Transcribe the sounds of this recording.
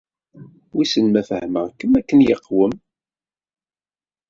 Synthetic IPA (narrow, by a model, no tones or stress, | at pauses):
wisənmæfəhməʁkːəmækːənjəqːwəm